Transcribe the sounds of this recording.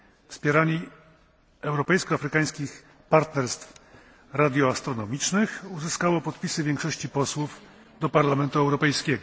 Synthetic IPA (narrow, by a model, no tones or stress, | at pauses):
fspʲjɛɾaɲi | ɛwɾɔpɛjskɔafɾɘkaj̃skʲix | paɾt̪nɛɾst̪f | ɾad̪ʲjɔast̪ɾɔnɔmʲit͡ʂnɘxuzɘskawɔpɔt̪pʲisɘvʲjɛŋkʂɔɕt͡ɕipɔswuf | d̪ɔpaɾlamɛnt̪uɛwɾɔpɛjskʲɛɡɔ